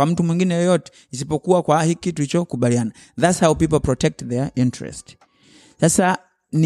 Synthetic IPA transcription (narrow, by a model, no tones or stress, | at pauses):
am̩tumwiŋɡinɛjɔjɔtɛ̥ | is̬ipɔkuwakwahikitulit͡ʃɔkuɓaliana | ðatshawpip̬ɔlpɹɔtɛk̚tðɛintɹɛ̰st | sasa | n